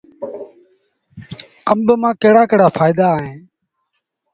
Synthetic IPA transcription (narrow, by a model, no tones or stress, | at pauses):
əmbmãːkeːɽaːkɪɽaːfʰaːɪd̪aːɦẽː